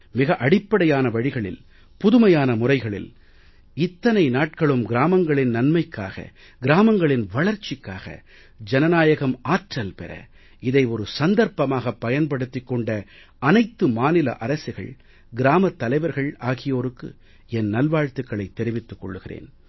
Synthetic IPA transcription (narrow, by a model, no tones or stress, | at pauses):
mɪɣɐʔɐɽɪpːɐɽɐjaːnɐʋɐɻɪɣɐɭɪ̰l | pʊðɯmɐjaːnɐmʊrɐɪɣɐɭɪ̰l | ɪt̪ːɐnɐɪnaːʈ̚kɐɭɯmɡɪɾaːmɐŋɡɐɭɪnnɐnmɐɪkːa̰ːɣɐ̰ | ɡɪɾaːmɐŋɡɐɭɪnʋɐɭɐɾt͡ʃːɪkːaːɣɐ̰ | d͡ʒɛnɐnaːjɐɣɐmaːʈrɐlpɛ̰ɾɐ̰ | ɪðɐɪɔɾɯsɐnd̪ɐɾpɐmaːɣɐpːɐjɐnpɐɽɯt̪ːɪkːɔɳɖɐ | ɐnɐɪt̪ːɯmaːnɪlɐ̰ʔɐɾɐsɪɣɐ̰ɭ | ɡɪɾaːmɐt̪ːɐlɐɪʋɐɾɣɐɭaːɣɪjoːɾɯkːɯ̰ | ɛnnɐlʋaːɻt̪ɯkːɐɭɐɪt̪ːɛɾɪʋɪt̪ːɯkːɔ̰ɭːɯɣɪrḛːn